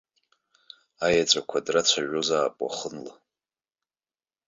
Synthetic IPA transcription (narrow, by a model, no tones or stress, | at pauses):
ajat͡ʃʷʼakʷʰadrat͡ɕʷʰaʒʷᶣozaːpʼwa̰χənla